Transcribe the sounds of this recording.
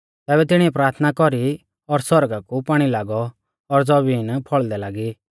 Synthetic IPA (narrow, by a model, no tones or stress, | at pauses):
t̪ɛːbɛt̪ɪɽ̃iɛpɾaːɾt̪ʰənakɔɾi | ɔɾsɔɾɡakupaːɽ̃ilaːɡɔː | ɾd͡zɔbiːnpʰɔɭd̪ɛlaːɡi